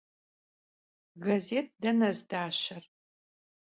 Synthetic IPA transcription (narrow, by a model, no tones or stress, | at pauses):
ɡɐzeːt̚ʰdɐnɐzdaːɕɐr